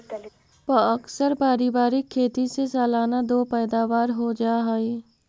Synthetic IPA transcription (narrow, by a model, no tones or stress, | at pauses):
pəəksəɾpaːɾibaːɾɪkʰːeːt̪isesaːlaːnad̪oːpɛːd̪aːʋaːɾɦod͡ʒaːɦaeː